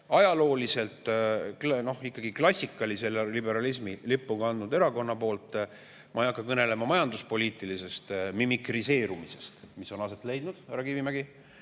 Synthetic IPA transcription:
ɑjɑlo̞ːlise̞lt̪ˑ | no̞hikːɑɡ̥iklɑsʲːikːˑɑlise̞lːelibe̞ɾɑlis̬milipːˑuɡɑɑnd̪nud̪e̞ɾɑko̞nːɑpo̞ːlt̪ːˑ | mʔɑjɑkːɑkɤne̞le̞mɑmɑjɑnd̪uspo̞liːt̪ˑilise̞st̪mimikrise̞ːɾumise̞st̪miso̞nɑse̞t̪ˑle̞jd̪̥nud̪̥æɾɑkivimæɡi

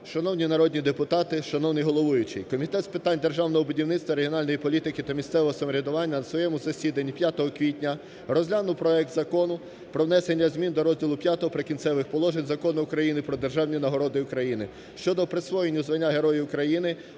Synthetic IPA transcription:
ʃɐnɔwnʲinɐɾɔdʲnʲid̪epʊt̪ɑt̪ɪʃɐnɔwnɪjɦɔlˠɔʋʊjʊt͡ʃɪjkɔmʲit̪ɛt̪spɪt̪ɑnʲd̪erʒɑwnɔɦɔbʊdʲiwnɪt̪st̪ʋɐɾeɦijɔnɑlʲnɔjipɔlʲit̪ɪkɪt̪ɐmʲisɛʋɔɦɔsɐmɔɾʲɐd̪ʊʋɑnʲːɐnɐsʋɔjɛmʊzɐsʲid̪ɐnʲːipʲjat̪ɔɦɔkʋʲitʲnʲɐ | rɔzʲlʲanʊwpɾɔɛk̚t̪zɐkɔnʊ | pɾɔwn̪ɛsenʲːɐzʲmʲind̪ɔɾɔzʲdʲilˠʊpʲjat̪ɔɦɔpɾekʲinsɛʋɪxpɔlˠɔʒenʲzɐkɔnʊːkɾɐjinɪpɾɔd̪erʒɑwnʲinɐɦɔɾɔd̪ɪʊkɾɐjinɪ | ʃt͡ʃɔd̪ɔpɾɪsʋɔjenʲːʊzʋɐnʲːaɦe̞ɾɔjiʊkɾɐjinɪ

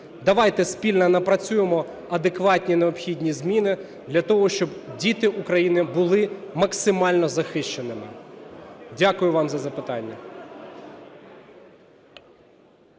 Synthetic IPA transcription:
d̪ɐʋɑjt̪ɛspʲilʲnɐnɐpɾɐt͡sʲujemɔ | ɐd̪ekʋɑtʲnʲineɔpxʲidʲnʲizmʲinɪ | d̪lʲɐt̪ɔɦɔʃt͡ʃɔbdʲit̪ɪʔʊkɾɐjinɪbʊlˠɪmɐksɪmɑlʲnɔzɐxɪʃt͡ʃenɪmɪ | dʲakʊjʊʋɑmzɐzɐpɪt̪ɑnʲːɐ

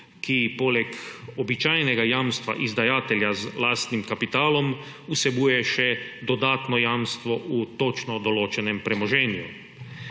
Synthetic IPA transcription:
kipoːlɛkɔbit͡ʃaːjnɛɡajaːmst̪ʋa̰ʔizd̪ajaːt̪ɛljazlaːst̪nimkapit̪aːlɔm | usɛbuːjɛʃɛd̪ɔd̪aːt̪nɔjaːmst̪ʋɔʔut̪ot͡ʃnɔd̪ɔloːt͡ʃɛnɛmpɾɛmɔʒɛːnjṵ

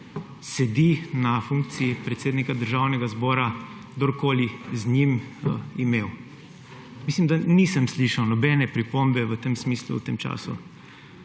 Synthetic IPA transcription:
sɛd̪inafuŋk̚t̪siipɾɛt̪seːd̪nikad̪əɾʒawnɛɡazbɔːɾaɡd̪oɾkoːlizɲimimew | miːslimd̪anisəmsliʃawnɔbɛnɛpɾipombɛʋət̪emsmiːslṵwt̪emt͡ʃa̰ːsṵ

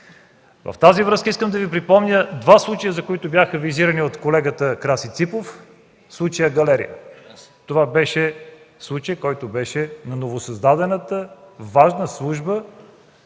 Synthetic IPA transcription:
və̰ft̪azivɾɤəskəiskəmd̪ɐvipɾipɔmnʲəd̪vaslˠut͡ʃəjəzɐkoit̪ʊbʲjaxəviziɾəniot̪kolɛɡət̪əkɾasit̪sipof | slˠut͡ʃəjəɡɐlɛɾḭjə̰ | t̪ovabɛʃɛ | slˠut͡ʃəjkɔjt̪obɛʃɛnɐnovosɐzd̪ad̪ɛnət̪əvaʒnəslˠuʒbə

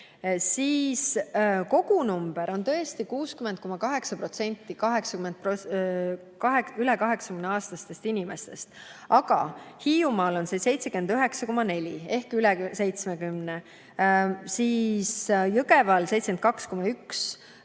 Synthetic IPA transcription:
siːsko̞ɡunumb̥e̞ɾo̞nt̪ɤ̞est̪ikuːskymend̪̥̚ko̞mɑkɑɦe̞ksɑpro̞t̪se̞nʲt̪ːˑikɑɦe̞ksɑkymend̪̚po | kɑekylekɑɦe̞ksɑ̥kymneɑːst̪ɑst̪e̞st̪inʲime̞st̪e̞st̪ɑɡɑ̰hiːumɑːlo̞nsese̞jt̪se̞ke̞nd̪yɦe̞ksɑko̞mɑne̞lʲie̞hkylese̞jt̪smekymne | siːsjɤɡe̞vɑlse̞jt̪se̥en̚kɑksko̞mɑyks

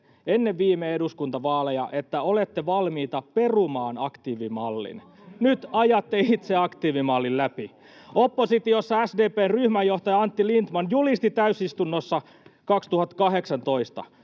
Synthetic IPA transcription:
enːeʋʋiːmeeduskunt̪ɑʋɑːlejɑ̰ʔet̪ːæo̞let̪ːeʋɑlmiːt̪ɑpe̞rumɑːnɑkt̪iːʋimɑlːḭn | nyt̪ɑjɑt̪ːeit̪seɑkt̪iːʋimɑlːillæpi | opːosit̪iosːɑæsdeːpeːnryhmæjːoht̪ɑjɑɑnt̪ːilint̪mɑnjulist̪it̪æysist̪unːosːɑ | kɑkst̪uhɑt̪ːkɑɦe̞ksɑnt̪o̞ist̪ɑ̰

